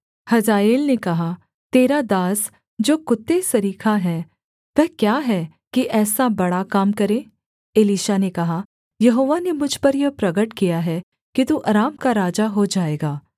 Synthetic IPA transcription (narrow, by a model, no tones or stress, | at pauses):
hɐzaːeːlnekɐɦa | t̪eːɾad̪aːs | d͡ʒoːkʊt̪ːesɐɾiːkʰaɦɛː | ʋɛɦkjaːɦɛ | kiʔɛːsabɐɽakaːmkɐɾẽː | eːliːʃanekɐɦa | jɐɦoːʋanemʊd͡ʒʱpɐɾjɐpɾɐɡəʈkijaɦɛ | kit̪uːʔɐɾaːmkaɾaːd͡ʒaɦod͡ʒaːeːɡaː